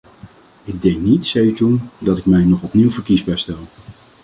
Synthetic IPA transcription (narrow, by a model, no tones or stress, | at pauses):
ɪɡ̚dɛŋknitsɛjytundɑtɪkmɛjnɔχɔpniwvəɹkizbɛjstɛlˠ